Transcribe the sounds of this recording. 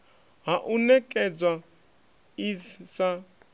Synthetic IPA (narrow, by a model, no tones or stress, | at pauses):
ɦaʔunɛkʼɛd͡zwa | isa